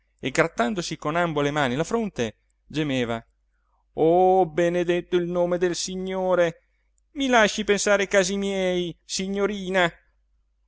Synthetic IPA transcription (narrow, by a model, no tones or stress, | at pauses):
eɡɾat̪ːand̪osikonambolemaːnilafɾont̪e | d͡ʒemeːva | ɔbened̪et̪ːoilnoːmed̪elsiɲːoːɾe | milaʃːipensaːɾekaːzimjɛɛːjsiɲːoɾiːna